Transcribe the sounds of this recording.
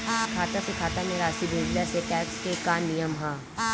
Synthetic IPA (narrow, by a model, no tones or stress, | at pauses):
kʰaːt̪asekʰaːt̪amẽɾaːʃibʱũːɡlaseʈɛːkskekaːnːijəmɦãː